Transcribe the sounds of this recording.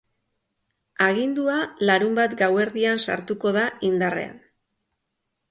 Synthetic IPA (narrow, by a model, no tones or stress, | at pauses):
aɣ̞ind̪ualaɾumbat̪ɡawe̞ɾðiansa̰ɾt̪uko̞ð̞aind̪are̞̰a̰n